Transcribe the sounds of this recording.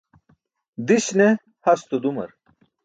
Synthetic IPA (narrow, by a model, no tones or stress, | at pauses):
d̪iɕne | hɐst̪ud̪umɐ̰ɾ